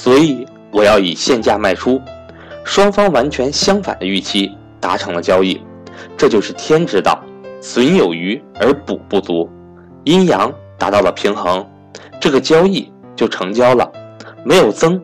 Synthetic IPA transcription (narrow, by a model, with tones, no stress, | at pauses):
swɔ˧˥i˨˧˩ | wɔ˨˩jɑ˥˩ʊi˨˩ɕjɛ˥˧nt͡ɕja˥˧ma˥˩ɪʈ͡ʂʰu˥ | ʂwɑ˥ŋfɑ˥ŋwa˧˥nt͡ɕʰɥɛ˧˥nɕjɑ˥ŋfa̰˨˩nd̪ə˦y˥˩t͡ɕʰi˥ | t̪a˧˥ʈ͡ʂʰɤ˧˥ŋlə˧t͡ɕjɑ˥ʊi˥˩ | ʈ͡ʂɤ˥˧t͡ɕjo˥˧ʊʂɻ̩˥˩t̪ʰjɛ˥nʈ͡ʂɻ̩˥t̪ɑ̰˥˩ʊswi˧˥njo˨˩ʊy˧˥ə˞˧˥pṵ˨˩pu˥˩t͡su˧˥ | i˥njɑ˧˥ŋt̪a˧˥t̪ɑ˥˩ʊlə˩pʰi˧˥ŋxɤ˧˥ŋ | ʈ͡ʂɤ˥˩ɡə˩t͡ɕjɑ˥ʊi˥˩˧ | t͡ɕjo˥˩ʊʈ͡ʂʰɤ˧˥ŋt͡ɕjɑ˥ʊlə̰˨me˧˥ɪjo˨˩ʊt͡sɤ˥ŋ